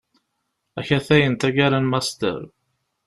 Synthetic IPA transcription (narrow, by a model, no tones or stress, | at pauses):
æçæθæjənt̪æɡæɾænmæst̪ə̰ɾ